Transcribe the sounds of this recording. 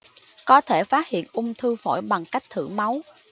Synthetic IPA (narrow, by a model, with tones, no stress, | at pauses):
kɔ˨˦t̪ʰe˧˩faː˦˥t̚hḭ˧˨ənʔʊ˧ŋ͡mt̪ʰɨ˧fɔ̰˧˩jɓa˨˩ŋka˦˥jk̚t̪ʰɨ̰˧˩ma˨˦w